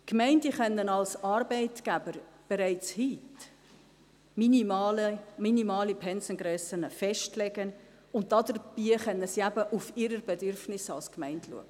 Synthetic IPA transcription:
kmɛɪndəχœnːənɑlsɑɾbɛɪtɡ̥æbəɾb̥ɛɾæɪt͡shiːt | minimɑːləminimɑːlipʰɛnsənɡɾœsənəfɛʃtlɛɡən | ʊnt̚tɑd̪əɾb̥iːχœnːəsiæbəʔufɪɾəɾbɛdʏɾfnɪsɑ̰lskmæɪntʰlṵəɡ̥ə

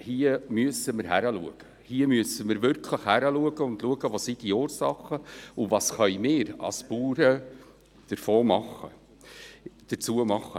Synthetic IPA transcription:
hiəmyəsəməɾɦæɾəluəɡ̥ə | hiəmyəsəməɾvʏɾkʰləχhæɾəluəɡəʊndluəɡəʋoːsid̥ioːɾsɑχəʊvɑːsχœjmɪːɾɑ̰spuːɾə | d̥əɾfoːmɑχːə | d̥əɾt͡suːəmɑχːə

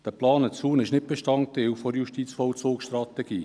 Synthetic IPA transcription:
d̥əplɑːnət͡suːnɪʃnɪt̚b̥eʃtɑnt̚dewfɔɾjuʃtit͡sfɔlt͡suːksʃtrɑtɛɡiː

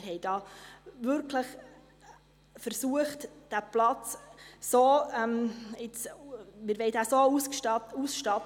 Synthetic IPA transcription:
ɦɛɪd̥ɑːvʏɾkʰləχ | fəɾsuəχtd̥æplɑt͡ssoːɛmɪt͡smɪɾvɛɪd̥æsoususʃtɑp

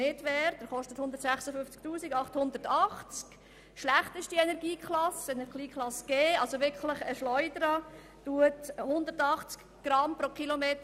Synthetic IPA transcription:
ɪtʋɛːɾd̥əɾχɔʃtəthʊnd̪əɾtsæχsəfʏft͡sk̚tuːsiɡɑχthʊnd̪əɾtɑχt͡sk | ʃlæχtɪʃdienɛɾɡiːkχlɑsɛnɛɾliːkʰχlɑsɡ̥eːɑlsoʋɪɾkʰləχəʃlɔʏdəɾɑ | tuəthʊnd̪əɾtɑχt͡sk | ɡ̥ɾɑmpɾokilomeːt

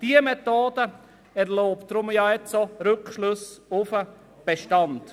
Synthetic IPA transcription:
d̥iəmɛtoːd̥ə | ɛɾloːptːɾʊmjɑːɛt͡soɾɵkʃlʊsʊfə | b̥eʃtɑnd̥

